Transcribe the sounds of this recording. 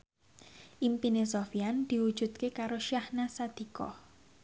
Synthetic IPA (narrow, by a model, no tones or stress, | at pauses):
ʔimpinesofiand̪̥i̤wud̥ʒ̥ṳt̪̚kekaɾoʃjahnasad̪̥i̤kɔ̰h